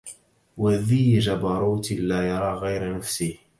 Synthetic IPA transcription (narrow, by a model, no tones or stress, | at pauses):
waðiːd͡ʒabɑɾˤuːt̪laːjɑɾˤɑːɣajɾanafsɪh